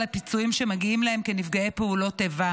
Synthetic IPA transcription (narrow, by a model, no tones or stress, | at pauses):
lepit͡suimʃemaɡiimlahemkenifɡaepeulo̞tːeva